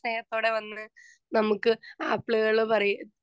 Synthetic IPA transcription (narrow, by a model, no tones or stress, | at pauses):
neːnɐt̪ːo̞ːɽe̞ʋɐnːɨ | nɐmukːɨɐpːɭuɣɐɭpɐrɐju